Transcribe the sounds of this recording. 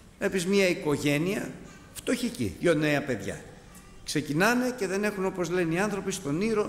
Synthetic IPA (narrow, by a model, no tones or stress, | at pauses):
mepizmɲɐiko̞ʝe̞niɐ | ft̪o̞çicḭjoneɐpe̞ðʝɐ̰ | kse̞cinɐme̞ce̞ðe̞ne̞xunopo̞zle̞niɐnθɾo̞pist̪o̞niɾo̞